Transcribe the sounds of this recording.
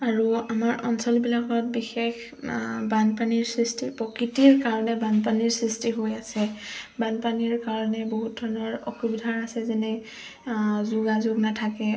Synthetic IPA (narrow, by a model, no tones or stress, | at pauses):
aɹuamaɹɔnsɔlbilakɔt̚bixex | banpaniɹsɹistʰipɹɔkɹitiɹkaɹɔnɛbanpaniɹsɹistiɦojasɛbanpaniɹkaɹɔnɛboɦut̚dʱɔɹnɔɹɔxubidʱanasɛzɛnɛ | zuɡazʊɡnatʰakɛ